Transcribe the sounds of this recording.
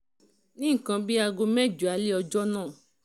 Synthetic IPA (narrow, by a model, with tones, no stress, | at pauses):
nĩ˦ŋ̩˦˨kã˧bi˦a˧ɡo˧mɛ̃˦˨d͡ʒu˨a˨˦li˦ɔ˧d͡ʒɔ˦nãː˦˨